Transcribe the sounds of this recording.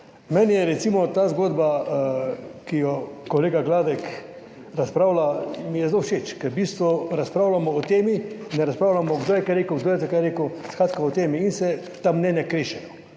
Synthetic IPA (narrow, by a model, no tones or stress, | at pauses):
mɛnjɛɾɛt̪simɔt̪aːzɡoːd̪ba | kijɔkɔleːɡaɡlaːd̪ɛk | ɾaspɾaːwlamijɛzlowʃet͡ʃkɛɾbiːst̪ʋɔɾaspɾaːwlamɔːt̪eːminːɛɾaspɾaːwlamɔɡd̪oːjɛkaɾeːkəwɡd̪ojɛt̪ɛkajɾeːkəskɾaːt̪kaɔt̪eːmiːnsɛt̪amnɛnjakɾeːʃɛjɔ